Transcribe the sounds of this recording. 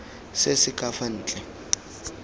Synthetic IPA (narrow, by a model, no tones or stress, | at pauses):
sesɪkʼafan̩ːt͡ɬʼɛ